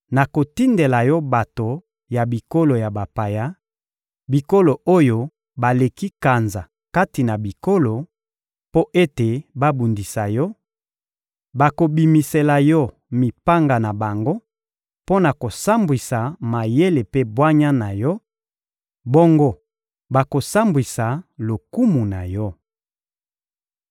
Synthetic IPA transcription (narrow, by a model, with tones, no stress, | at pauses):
na˨ko˨ti˦nde˨la˨jɔ˦ba˨to˨ | ja˨bi˨ko˦lo˨ja˨ba˨pa˨ja˦ | bi˨ko˦lo˨o˦jo˨ | ba˨le˨ki˦ka˨nza˨ | ka˦ti˨na˨bi˨ko˦lo˨ | po˦ʔe˦te˨ba˦bu˨ndi˨sa˨jɔ˦ | ba˨ko˨bi˨mi˨se˨la˨jɔ˦ | mi˨pa˦ŋɡa˨na˨ba˨ŋɡo˦ | po˦na˨ko˨sa˦mbwi˨sa˨ma˨je˦le˨pe˦bwa˦ɲa˦na˨jɔ˦ | bo˦ŋɡo˦ | ba˨ko˨sa˦mbwi˨sa˨lo˨ku˦mu˨na̰˨jɔ˦